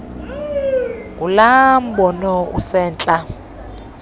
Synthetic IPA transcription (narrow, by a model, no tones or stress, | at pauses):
ɡulam̩bɔnɔṵsɛːnt͡ɬʼa